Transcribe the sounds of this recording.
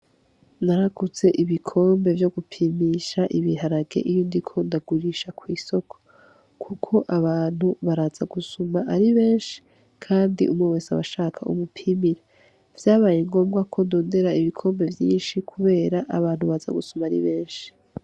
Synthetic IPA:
naɾaɡuze̞ʔiβikʰo̞ːmbe̞vjo̞ɡupʰimiʃaʔiβiɦaɾaɡe̞̰ʔijondikʰo̞ndaɡ̥uɾiʃakʰwiːso̞kʰo̥ | kʰukʰo̞ʔaβaːn̥huβaɾaz̥aɡusumaʔaɾiβe̞ːnʃi̥ | kʰaːndḭʔumŋewesaβaʃaːkʰaṵmupʰiːmiɾa | vjaːβaːjeŋɡo̞ːmɡakʰo̞ndo̞ːnde̞ɾaiβikʰo̞ːmbe̞vjiːnʃikʰuβe̞ːɾaʔaβaːn̥huβaza̰ɡusumaːɾḭβe̞ːnʃi̥

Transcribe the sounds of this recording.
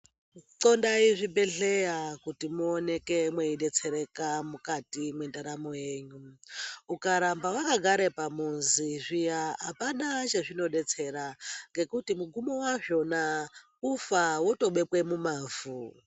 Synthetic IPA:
ǀondaiʐibeɮejakutimuonekemweiɗet͡sʰeɾekamukatimwendaɾamojeːɲuukaɾambawakaɡʱaɾepamunziʐijaɦapanat͡ʃeʐino̞ɗet͡sʰeɾaŋɡe̞kutimuɡumowaʐona | ufawuto̞ɓepwemumaːvu

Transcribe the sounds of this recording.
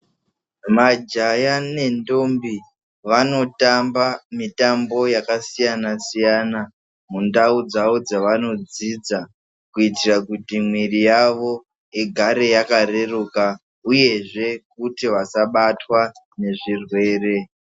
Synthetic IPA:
mad͡ʒajane̞ndo̞mbi | ʋano̞tambamitambo̞jakasijanasijana | mundaud͡zaod͡zaʋano̞d͡zid͡za | kuitirakutimwirijaʋo̞ | eɡʱaɾe̞jakare̞ruka | uje̞ʐe̞k̚utiʋasaɓatwa | ne̞ʐirwe̞ːre̞

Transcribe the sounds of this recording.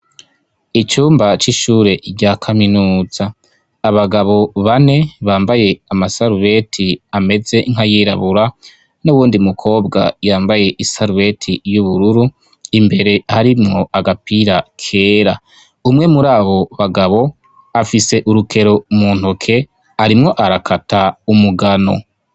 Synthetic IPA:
it͡ʃuːmbat͡ʃiʃuːɾe̞ɾɟakʰaminuːz̥aː | βaɡaβo̞βane̞βaːmbaje̞amasaɾuβe̞tʰiame̞ze̞ŋ̥hajiːɾa̰βuɾa | nuwuːndimukʰo̞ːbɡa̰jaːmbaje̞ʔisaɾuβe̞tʰijuβuɾuɾu | imbe̞ɾe̞haɾimŋo̞ʔaɡapiːɾakʰe̞ːɾa | umŋe̞muɾaːβo̞βaɡaβo̞ | afise̞ʔuɾukʰe̞ɾo̞muːn̥okʰe̞ | aɾimŋo̞ʔaɾakʰataumuɡano̞̰

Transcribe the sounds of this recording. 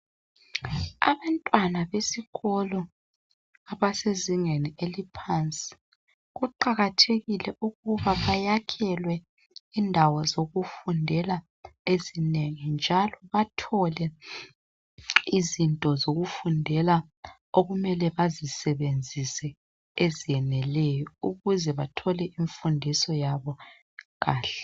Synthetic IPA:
a̰βantʼwanaβesiɣɔlɔ | aβaseziŋenielipʰant͡sʼi̥ | ɣuǃaɣatʰeɣilɛʔuɣuβaβajakʰɛlwɛ | indʱawɔzoɣufundʱɛla | ezineŋind͡ʒʱalɔβatʰɔlɛ | izintʼɔzoɣufundʱɛla | oɣumɛlɛβazisɛβend͡zʱisɛ | ezijɛnɛlɛjɔuɣuzɛβatʰɔlɛʔiɱfundʱisɔjaβɔ | ɣaːɬɛ̥

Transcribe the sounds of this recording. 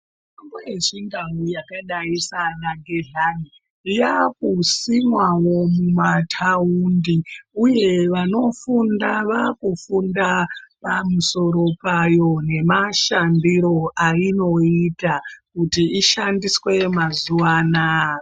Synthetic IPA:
m | ambujeʐiŋɡawujakaɗaisanaɡʱeɮani | jak̚usimwawo̞mumatʰaundiuje̞ʋano̞fundaʋakufundapamuso̞ɾo̞pajo̞ne̞maʃandiɾo̞ʔaino̞itakutiiʃandiswe̞mazuwaːna

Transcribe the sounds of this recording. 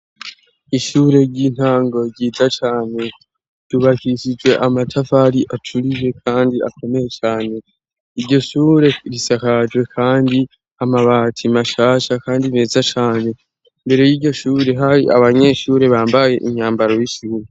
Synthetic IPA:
iʃuːɾe̞ɾɟiːn̥haːŋɡoɾɟiːtat͡ʃaːne̞ | d̥uβakiʃid͡ʒwe̞ʔamatʰafaɾiʔat͡ʃuɾiʒe̞kʰaːndia̰ko̞me̞je̞t͡ʃaːne̞ | iɾɟo̞ʃuːɾe̞ɾisakad͡ʒwe̞kʰaːndi | amaβaːtʰimaʃaːʃakaːndime̞ːzat͡ʃaːne̞ | mbe̞ɾe̞jiːɾɟo̞ʃuːɾe̞ɦaɾiʔa̰βaɲe̞ʃuːɾe̞βaːmbaje̞̰ʔiɲaːmbaɾo̞jiʃuuɾu

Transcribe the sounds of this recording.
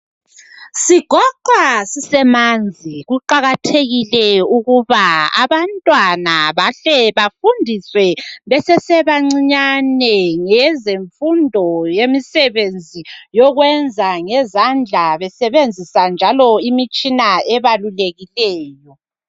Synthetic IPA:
siɡ̥ʱɔǃwasisɛmand͡zʱiɣuǃaɣatʰeɣilɛuɣuβaa̰βantʼwanaβaɬɛβafundʱiswɛβɛsɛsɛβaŋ͡ǀiɲanɛŋɛzeɱfundʱɔjemisɛβend͡zʱijɔɣwɛnd͡zʱaŋɛzand͡ɮʱaβɛsɛβend͡zʱisand͡ʒʱalɔimit͡ʃʼinaɛβaluleɣilɛːjɔ

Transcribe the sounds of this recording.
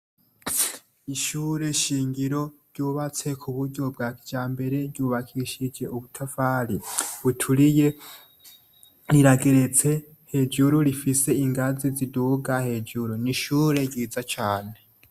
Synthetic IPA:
iʃuːɾe̞ʃiːŋɡiɾo̞ɾɟuːβat͡se̞kʰuβuɾɟo̞b̚ɡakid͡ʒaːmbe̞ɾe̞ɾɟuːβakʰiʃid͡ʒe̞uβutʰafaɾiβutʰuɾije̞ | ɾiɾaɡeɾe̞t͡se̞ | he̞d͡ʒuɾuɾifise̞iŋɡaziziduːɡahe̞d͡ʒuɾuniʃuːɾe̞ɟiːzat͡ʃaːne̞

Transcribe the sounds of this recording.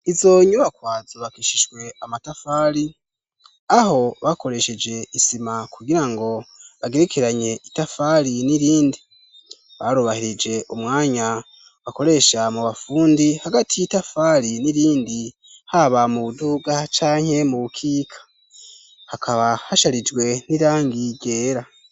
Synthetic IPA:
izo̞ɲuβakwaːzoβakiʃiʒɡwe̞amatafaːɾi | aho̞βako̞ɾe̞ʃe̞d͡ʒe̞isimakuɡiɾaŋɡo̞βaɡe̞ɾekʰeɾaɲe̞ʔitafaɾiniɾiːndi | βaɾuβahiɾid͡ʒe̞ʔumŋaːɲa | wako̞ɾe̞ʃamuβafuːndihaɡatʰijitafaːɾiniɾiːndi | haβamuβuduɡat͡ʃaːŋ̥he̞muβukʰiːkʰḁ | hakʰaβahaʃaɾid͡ʒɡwe̞niɾaːŋɡiɟe̞ːɾa

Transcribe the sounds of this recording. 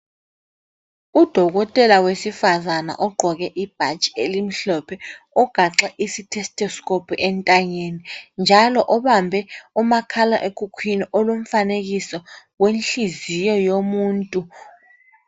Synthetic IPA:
ud̥ʱɔk̬ɔtʼɛlawesifazana̰ʔɔɡ͡ǃʱɔk̬ɛʔib̥ʱat͡ʃʼi̥elim̩ɬɔpʰɛ | ɔɡ̥ʱaǁaʔisitʰɛstʰʼɔskʼopʰuʔɛntʼaɲenind͡ʒʱalɔʔɔɓambʱɛumakʰala̰ʔekʰʼukʰwiniʔɔlum̩fanek̬isɔwenɬizijɔjomuːntʼu

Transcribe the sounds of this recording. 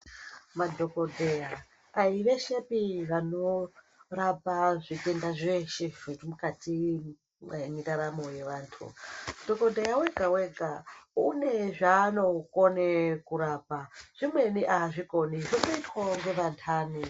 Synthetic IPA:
madʱo̞ko̞dʱejaː | iʋe̞ʃepiʋano̞ | rapaʐikendaʐeʃeimukati | ɲitaɾamoje̞ʋaːntʰṵdʱoko̞dʱejaweɡʱaweɡʱaune̞ʐaːno̞konekuɾaːpaʐ̥imwe̞niʔaʐikoniʐonoitwaŋɡeʋantʰaːni

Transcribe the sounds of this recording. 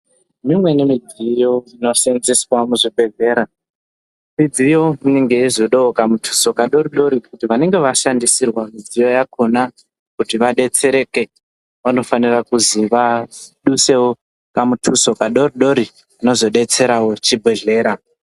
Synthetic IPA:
mimwe̞nemid͡zijo̞ino̞senziswamuʐibʱe̞ɮe̞ːɾa | mid͡zijo̞miniŋɡe̞izoɗookamutʰu̥so̞kaɗo̞ɾiɗo̞ɾikutiʋane̞ŋɡe̞ʋaʃandisirwamid͡zijo̞jakʰuna | kutiʋaɗe̞t͡se̞ɾe̞ke̞ | ʋano̞fanirakuziʋaɗuse̞wo | kamutʰuso̞kaɗo̞riɗo̞ɾi | ano̞zo̞ɗe̞t͡se̞ɾawo̞t͡ʃibʱe̞ɮe̞ːɾa

